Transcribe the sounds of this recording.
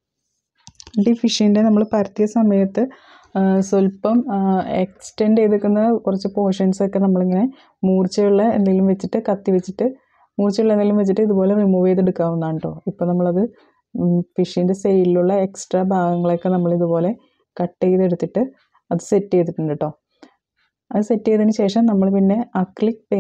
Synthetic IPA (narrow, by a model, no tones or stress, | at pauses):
eɳɖifiʂijndenɐmːɐɭpɐɾɐt̪ːijɐsɐmɐjɐt̪ːɨ | solpɐmeksi̥ʈenɖeðukʲːunːɐkurɐt͡ɕːupo̞ːʂenso̞kːe̞nɐmːɐɭiŋːɐne̞ | muːrt͡ɕːɐjuɭːɐḛnːiilumʋet͡ɕːiʈːɨkɐt̪ːiʋet͡ɕːiʈːɨ | muːrt͡ɕːɐjuɭːɐenːilumʋet͡ɕːiʈːɨiðubo̞ːle̞ʋimuʋejt̪eɽukːaːʋunːaːɳɳɖo̞ːipːoːnɐmːɐɭɐðɨ | fiʂindesejliluɭːɐe̞ksʈrɐbʱaːɡɐŋːɐɭo̞kːe̞nɐmːɐɭiðubo̞ːle̞ | kɐʈːejðe̞ɽut̪ːiʈːɨ | ɐðɨse̞tːejt̪ːiʈːuɳɖiʈːo̞ː | ɐðɨse̞tːeːðinɨɕe̞ːʂɐmnɐmːɐɭpinːe̞ɐkːɭikpe